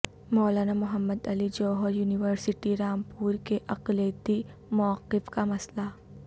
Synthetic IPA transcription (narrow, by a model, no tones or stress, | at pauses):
mɔːlaːnamʊɦəmːəd̪ɐlid͡ʒɔːɦɔɾjuːnɪʋəɾsɪʈiɾaːmpuːɾkeʔɐqlet̪i | mɔʋəqːɪfkamɐsla